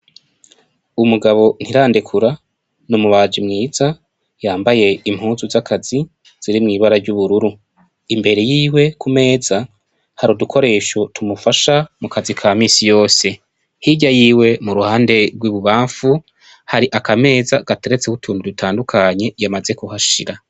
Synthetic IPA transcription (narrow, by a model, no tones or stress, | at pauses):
umuɡaβo̞n̥hiɾaːndikʰuɾa | numuβaːd͡ʒimŋiːz̥a | jaːmbaje̞imhuːnzuzakʰazi | z̥iɾimŋiːβaɾaɾɟuβuɾuɾu | imbe̞ɾe̞jiːwe̞kʰume̞ːza | haɾudukʰo̞ɾe̞ːʃo̞tʰumufaʃamukʰazikʰaːmiːsijo̞ːse̞ | hiɟajiːwe̞muɾuhaːnde̞ɾɡwiβuβaːɱfu | haɾiʔakʰame̞ːzaɡ̥ateɾet͡sekutʰuːnidutʰaːndukʰaɲe̞jamaze̞kuhaʃiɾa